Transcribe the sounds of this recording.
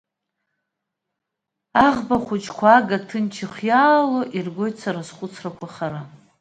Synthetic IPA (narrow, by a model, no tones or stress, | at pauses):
aʁbaχʷʊt͡ʃʰʼkʷʰaaɡatʰɨnt͡ʃʰɪχʷjaːloʔirɡʷo̞jtʰt͡sʰaɾasχʷʼʊt͡sʰrakʷʰaχaɾa